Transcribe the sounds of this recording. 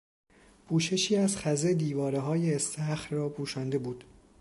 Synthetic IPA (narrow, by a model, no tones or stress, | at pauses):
pʰuːʃe̞ʃiːæzxæzed̪iːvɒːɾeɦɒːjeːst̪æxɾrɒːpʰuːʃænd̪e̞buːd̪̥